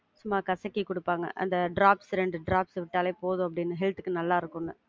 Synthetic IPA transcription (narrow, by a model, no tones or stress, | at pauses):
sʊmːaːkɐsɐkːikʊɽɯpːaːŋɡɐ̰ʔɐ̰nd̪ɐɖɾaːpsɾɛɳɖɯɖɾaːpsʋɪʈːaːleːpoːðũɐp̬ːɐɽɪnːɯɦɛlt̪ɯkːɯnɐlːaːɪɾɯkːʊnːɯ